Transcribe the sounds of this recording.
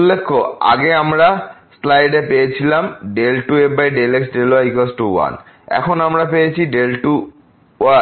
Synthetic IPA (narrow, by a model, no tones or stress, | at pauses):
ulːekʰːoa̰ɡeamɾaslajɖepejet͡ɕʰilamɖelʈuebajɖeleksɖeloajkosʈuwa̰n | ɛ̰kʰonamɾapejet͡ɕʰiɖelʈu | a